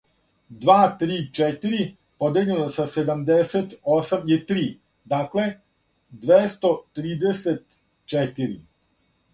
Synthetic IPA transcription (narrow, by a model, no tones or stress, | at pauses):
d̪ʋaːt̪ɾiːt͡ʃet̪iɾi | pod̪eʎenosased̪amd̪eset̪osamit̪ɾiː | d̪aːkle | d̪ʋest̪ot̪ɾiːd̪eset̪ | t͡ʃet̪iɾḭ